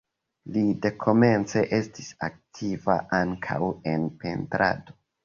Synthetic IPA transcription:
lide̞kʰo̞me̞nt͡se̞ʔe̞stisa̰k̚tʰiva̰ʔaŋkʰa̰we̞npe̞̰ntɾa̰do

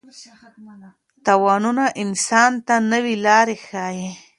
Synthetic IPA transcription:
t̪awɑnunaʔɪnsɑnt̪anəwilɑɾexɑje

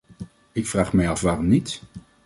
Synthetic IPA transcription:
ɪkfraːχmɛjɑfʋaːrɔmnit

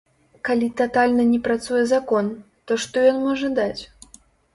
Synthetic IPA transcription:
kalʲit̪at̪alʲnɐnʲɛpɾat̪sujɛzakɔn | t̪ɔʂt̪ɔjɔnmɔʐɐd̪at͡sʲ

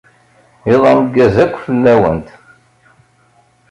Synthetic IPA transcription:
iðˤɑmɡːæzækʷːfəlːæwə̰nt̪

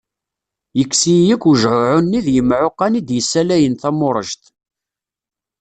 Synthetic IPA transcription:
jəkːsijəkːuʒʕʊʕʊnːiðjəmʕoqːɑnid̪jəsːælæjənθæmʊɾˤəʒt̪

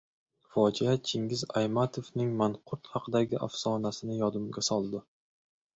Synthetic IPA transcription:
fɒd͡ʒɪjat͡ʃʰɪŋɡʲɪza̰jmat̪ʰovnɪŋmanqʰʊɾt̪hɑqʰɨd̪aɡʲɪʔa̰fsɒnasɪnɪjɒd̪ɪmɡʲasɒlˠd̪ɪ

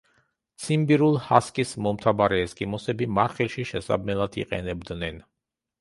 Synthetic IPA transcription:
t̪sʰimbiɾulˠhaskʼismɔmt̪ʰabaɾɛːskʼimɔsɛbimaɾχilˠʃiʃɛsa̰b̪mɛlˠad̪ʰḭqʼɛ̰nɛbd̪nɛn

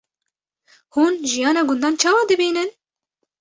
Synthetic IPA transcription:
huːnʒijɑːnɑːɡʊnd̪ɑːnt͡ʃʰɑːwɑːd̪ɨbiːnɨn

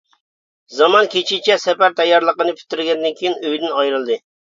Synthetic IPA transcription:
zɑmɑnkʲʰet͡ʃʰit͡ʃʰɛsɛpæɾt̪ʰɛjːɑɾlˠəqənɨpʲʰy̥t̪ːyɾɡʲɛnd̪ɪnkʲʰijinøjd̪ɪnɑjɾɨlˠd̪ɨ

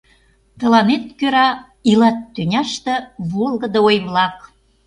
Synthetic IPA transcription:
t̪ə̆lɑnet̪̚køɾɑ | ilɑt̪ːynʲɑʃt̪ĕβolɣə̆d̪ə̆ojβlɑk̚

